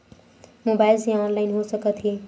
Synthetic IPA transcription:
mobaːɪlsẽɔːnlaɪnɦosəkət̪ɦie

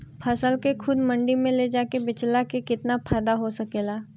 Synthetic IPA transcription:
pʰɐsəlkexʰʊd̪mɐ̃ɳɖimẽled͡ʒaːkebɪt͡ʃlakekɪt̪napʰaːd̪aɦosɐkeːlaː

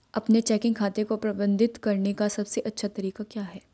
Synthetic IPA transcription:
ɐpnet͡ʃɛːkɪ̃ŋɡkʰaːt̪ekopɾɐbə̃nd̪ʱɪt̪kɐɾnekasɐbseʔɐtːʃʰat̪ɐɾiːkakjaːɦɛː

